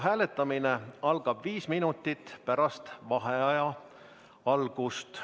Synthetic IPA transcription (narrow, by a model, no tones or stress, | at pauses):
ɦæːle̞t̪ːˑɑmineɑlɡ̥ɑb̥viːsminut̪ːˑit̪ːˑpæɾɑst̪vɑɦeɑjɑ | ɑlɡ̥ust̪